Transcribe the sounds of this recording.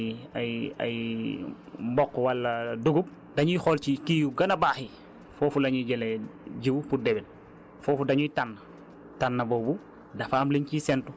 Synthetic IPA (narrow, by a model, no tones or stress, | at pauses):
aja̰j | mbɔkːwalːɐduɡup̚ | daɲujxolt͡ʃikijuɡɐnabaːxi | foːfulaɲuɟeleɟiwupudɛbɛl | foːfudaɲuitanːɐ | tanːɐbobu | dafaːmliɲcisɛntu